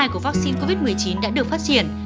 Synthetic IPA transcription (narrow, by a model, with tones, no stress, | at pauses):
jku˧˩əva˦˥k̚si˧nko˧vi˦˥t̚mɨ˨˩əjt͡ɕi˨˦nɗa̰ː˧˥ɗɨ˨˩ək̚faː˦˥t̚t͡ɕi˧˩ən